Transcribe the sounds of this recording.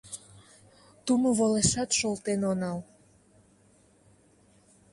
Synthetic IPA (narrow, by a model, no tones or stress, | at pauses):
t̪umoβoleʃɑt̪ʃolt̪enonɑl